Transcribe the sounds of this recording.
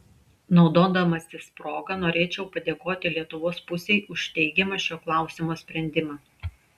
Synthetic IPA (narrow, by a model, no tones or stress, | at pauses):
nɒʊd̪oːd̪ɐmɐsʲɪspɾoːɡɐnoːɾʲeːt͡ʃʲɛʊpɐd̪ʲeːkoːt̪ʲɪlʲiɛt̪ʊʋoːspʊsʲeɪʔʊʃʲt̪ʲɛɪɡʲɛmɐʃʲoːklˠɑˑʊsʲɪmoːsʲpʲɾʲɛnʲd̪ʲɪmɑ